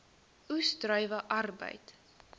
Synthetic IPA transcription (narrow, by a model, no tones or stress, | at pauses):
ustrœɥvəʔɐrbə̰jt